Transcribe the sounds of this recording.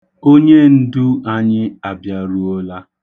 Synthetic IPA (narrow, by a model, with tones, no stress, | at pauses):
o˦ɲe˦n̩˦du˦a˦ɲɪ˦a˨bja˦ɾu˦o˦la˦